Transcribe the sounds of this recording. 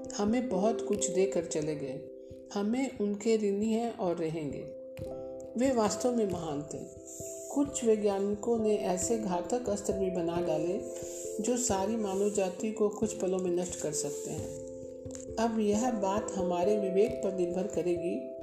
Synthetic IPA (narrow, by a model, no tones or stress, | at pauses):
hɐmẽbɐɦʊt̪kʊt͡ʃʰd̪eːkəɾt͡ʃɐleɡɐe | hɐmẽʔʊnkeɾɪniɦɛ̃ʔɔːɾːɐɦẽːŋɡḛː | ʋeːʋaːst̪əʋmẽmɐɦaːnt̪ɛ̰̃ː | kʊt͡ʃʰʋeɡjaːnkõnẽʔɛːseɡʱaːt̪əkɐst̪əɾbibɐnaɖaːle | d͡ʒoːsaːɾimaːnəd͡ʒaːt̪ikokʊt͡ʃʰpɐlõmẽnɐʃʈkɐɾsɐk̚t̪eɦɛ̰̃ː | ɐbjɐɦbaːt̪ɦɐmaːɾeʋɪʋeːɡ̚pɐɾnɪɾbʱəɾkɐɾẽːɡiː